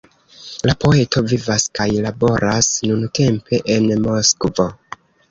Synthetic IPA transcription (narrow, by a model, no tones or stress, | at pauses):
lapo̞e̞tʰo̞vivaskajlabo̞ɾasnunte̞mpe̞ʔenmo̞skvo̞